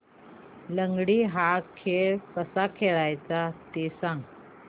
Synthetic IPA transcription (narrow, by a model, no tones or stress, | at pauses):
ləŋɡɽiːɦakʰeɭkəsakʰeɭajt͡sat̪esãŋɡ